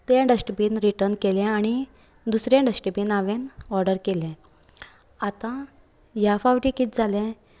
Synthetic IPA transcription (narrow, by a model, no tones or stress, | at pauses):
t̪ẽɖəsʈəbiːnɾiʈəɾnkelɛ̃aɽ̃i | d̪usɾɛ̃ɖəsʈəpiːnaʋenɔɾɖəɾkelɛ̃ | at̪ã | jafawʈikit̪̚d͡zalɛ̃